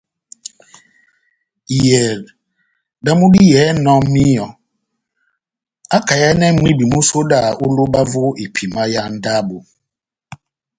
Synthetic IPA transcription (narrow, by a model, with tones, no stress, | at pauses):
i˨je˨ | da˦mu˦di˦jɛ˨˦nɔ˦m̩˦mi˦jɔ˨ | a˦ka˨ja˦ne˦m̩˦mi˦bi˨mu˦so˦da˦˨ʔʊ˦lo˦ba˦vʊ˦i˨pʰi˨ma˦ja˦n̩˦da˦bʊ˨